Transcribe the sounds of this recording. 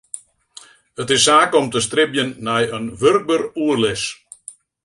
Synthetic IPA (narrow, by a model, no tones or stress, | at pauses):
ətɪsːaːkɔmtəst̪rɪbjənːɛjənʋʏrk̚bəɾuərlɪs